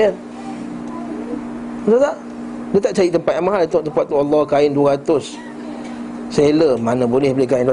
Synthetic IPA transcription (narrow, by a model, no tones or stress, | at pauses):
ə | t̪at̪aʔ | dət̪aʔt͡ʃaɾit̪əmpat̪̚ʔamaɦalit̪ʊ̃ʔt̪əmpat̪̚ːualːɔhkaɪnduəɾat̪ʊs | seləmanə̃bolɛhbəlɛhkaindu